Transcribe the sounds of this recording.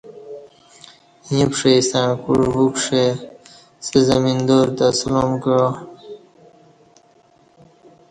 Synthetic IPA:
ĩpʂeisãkṵɾɦukʂe | sezamind̪oɾt̪asulomkɻo

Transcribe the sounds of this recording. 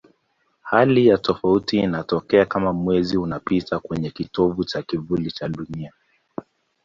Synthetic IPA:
halijatɔfautiːnatɔkɛakamamwɛziunapitʰakwɛɲɛkitɔvut͡ʃakivulit͡ʃaɗunia

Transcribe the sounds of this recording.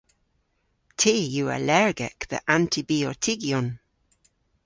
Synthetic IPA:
tʰeːjuːa̰lɛɹɡɛ̰kðə̰ʔãntʰibiːɔɹtʰɪɡjɔn

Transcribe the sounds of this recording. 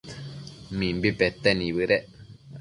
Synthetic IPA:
mĩmbipet̪ːenĩβɨɾeʔ

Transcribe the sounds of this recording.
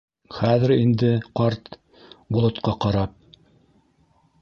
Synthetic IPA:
χæðɘɾind̪ɘqɑɾt̪ | bŭlˠŏt̪qɑqɑɾɑp̚

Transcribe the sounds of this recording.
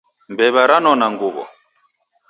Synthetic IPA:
mbɛβaɾanɔnaŋɡuβɔ̰

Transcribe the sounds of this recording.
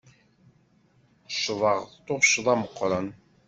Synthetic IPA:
ʃəvɑʁðt̪oʁʃəðˤɑməqːɾˤən

